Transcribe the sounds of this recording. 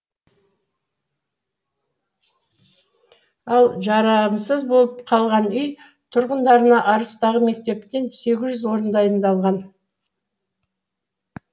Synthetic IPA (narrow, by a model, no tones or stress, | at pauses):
ɑlˠʒɑɾɑmsəzbo̞lˠəpqʰɑlˠʁɑnʏj | t̪ʰʊɾʁənd̪ɑɾənɑʔɑɾəst̪ɑʁəme̞k̚t̪e̞p̚t̪e̞nse̞ɡʲɪzʒʏzwo̞ɾənd̪ɑjənd̪ɑlˠʁɑn